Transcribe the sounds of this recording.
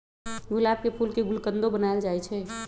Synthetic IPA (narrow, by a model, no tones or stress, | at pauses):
ɡʊlab̚kepʰulkeɡʊlkənd̪obənaeld͡ʒaɛt͡ʃʰɛ